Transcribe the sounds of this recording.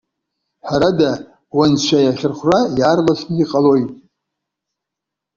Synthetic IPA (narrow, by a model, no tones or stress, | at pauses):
ħʷaɾada | want͡ɕʷʰajaχʲɪrχʷrajarlasʰnɨiqʼalojtʼ